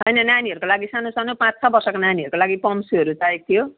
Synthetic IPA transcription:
ɦʌjnʌnaniɦʌɾukolaɡisanosanopãt͡st͡sʰʌbʌrsʌkonaniʌɾukolaɡipʌmsiɦʌɾutaek̚t̪ʰijo

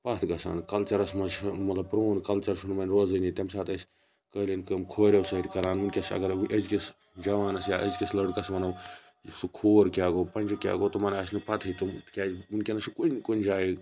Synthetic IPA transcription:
pɐt̪ʰɡɐsa̰ːnkɐlt͡ʃɐɾɐsmɐzumɐt̪lɐb̚pɾoːnkɐlt͡ʃɐɾʃunmɐnʲɾoːzɨnit̪ʲɐmsaːt̪ɐsʲ | kɐːlʲinkɐmkʰoːɾʲɐwsɐɾʲkɐɾaːnunkʲesɐ̰ɡɐɾʔɐzkis | d͡ʒɐʋaːnɐsjaːʔɐzkʲislɐɽkɐsʋɐnɐw | sukʰoːɾkʲaːɡoːpɐnʲd͡ʒɐkʲja̰ːɡoːt̪umɐnɐsnɨpɐt̪ʰɐt̪ukʲaːunkʲenɐsukunkond͡ʒaːiɡ

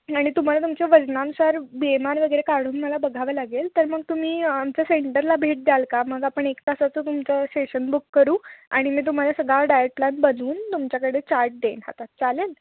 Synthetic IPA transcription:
aɽ̃it̪um̤alat̪umt͡ɕeʋəd͡znanusaɾbiemaɾʋəɡəjɾekaɾɽ̃uːnməlabəɡʱaʋəlaɡelt̪əɾməɡ̚t̪um̤iːamt͡ɕjaseɳʈəɾlabʱeʈ̚d̪jalkaməɡapəɳekkəsat͡sət̪umt͡səsʈeɕənbukːəɾuːa̰ɽ̃imiːt̪̬um̤alasəɡʱaɖajəʈ̚plãnbənd̪ʱuːnt̪umt͡ɕjakəɽet͡ɕaɾʈ̚d̪enɦa̰t̪at͡salen

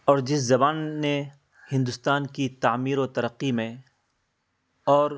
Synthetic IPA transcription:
ɔːɾd͡ʒɪszɐbaːnːe | hɪ̃nd̪ʊst̪aːnkit̪aːmiːɾot̪ɐɾəqːimẽ | ɔːɾ

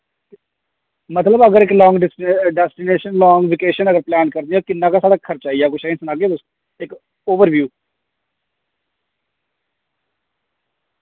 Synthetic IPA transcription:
mət̪ləbəɡəɾɪklɔːŋɡɖsɖɛːsʈɪneːʃənlɔːŋɡʋɪkeːʃənəɡəɾplɛːnkəɾd̪iãːkɪnːãːkaːsaːɽaːkʰəɾt͡ʃaːijaːkʊt͡ʃʰaːɦĩnsənaːɡeːbəs | ɪk | oːʋəɾʋjuː

